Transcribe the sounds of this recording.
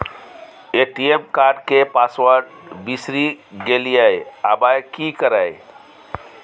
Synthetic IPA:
eʈiemkaɾɖkepaswəɾɖ | bisɾiɡelijəjabajkikəɾəj

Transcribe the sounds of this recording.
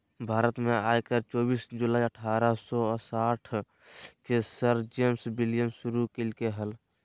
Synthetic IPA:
bʱaːɾət̪mẽaːjkəɾt͡ʃɔːbiːsd͡ʒulaːiəʈʰaːɾəsɔsaʈʰ | kesəɾd͡ʒeːmsbilijəmsuɾukilkeɦəl

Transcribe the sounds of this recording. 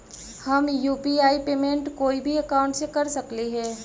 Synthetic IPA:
hɐmjuːpiaːipeːmẽːɳʈkoːibʱiɐkaːʊ̃ɳʈsekɐɾsɐkliɦɛː

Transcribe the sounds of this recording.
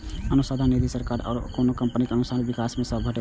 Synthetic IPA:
ənusad̪ʱaned̪isəɾkaɾɔ̰ːɾkonokəmpənikeənusanbikasmẽsəbʱəʈe

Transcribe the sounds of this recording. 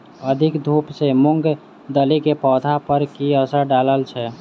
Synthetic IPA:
əd̪ʱikd̪ʱupsemuŋɡ | d̪əlikepɔd̪ʱapəɾkiəsəɾɖaləlt͡ʃʰɛ

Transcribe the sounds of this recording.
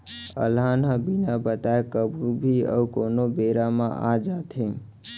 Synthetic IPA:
ə̰lɦanəbinabət̪aekəbʱubʱiə̰ukonobeɾamã̰ʔa̰d͡ʒat̪ʰẽ

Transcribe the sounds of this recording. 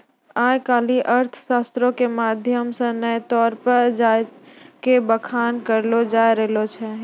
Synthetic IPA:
aːjkaːliʔəɾt̪ʰə̥ʃaːst̪ɾõkemaːd̪ʱjəmsẽnəjt̪ɔːɾpəɾd͡ʒaːjkebəkʰaːnkəɾlod͡ʒaːjɾɛɦlot͡ʃʰɛ

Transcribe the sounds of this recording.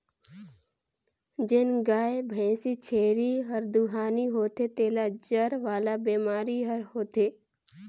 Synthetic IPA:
d͡ʒɪnɡaːebʱɛ̃ːsit͡ʃʰeːɾiɦəɾd̪uɦaːniɦoːt̪et̪eːlad͡ʒəɾʋaːlabeːmaːɾiɦəɾhoːt̪eː

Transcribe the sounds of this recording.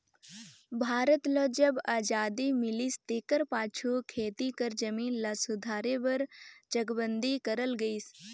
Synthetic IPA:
bʱaːɾət̪ləːd͡ʒəbaːd͡ʒaːd̪imɪlist̪eːkəɾpaːt͡ʃʰukʰeːt̪ikəɾd͡ʒəmiːnlasʊd̪ʱaːɾebəɾd͡ʒəɡbənd̪ikəɾəlɡəis

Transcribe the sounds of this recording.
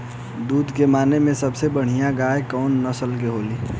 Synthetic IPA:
d̪uːd̪ʱkemaːnemẽsəbsebəɽ̤ijãɡaːekɔːnːəsəlkeɦoːli

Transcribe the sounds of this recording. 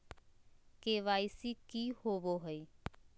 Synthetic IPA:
keːʋaːɪsikiːhoːʋoːɦəi

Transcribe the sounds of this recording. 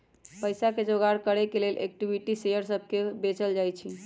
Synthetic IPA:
pəjsaked͡ʒoɡaɾkəɾekelelʔḛk̚ʈibʱiʈisejəɾsəbʱkebet͡ʃəld͡ʒajt͡ʃʰi

